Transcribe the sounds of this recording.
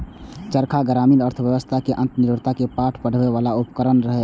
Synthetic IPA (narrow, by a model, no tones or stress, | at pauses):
t͡ʃəɾkʰaɡəɾaːmiləɾt̪ʰəʋjəʋəst̪ʰakeʔə̃nt̪nɪɾʋəɾt̪ʰakepaːʈʰpəɽ̤ʋeʋaːlaʊpəkəɾənɾəɦe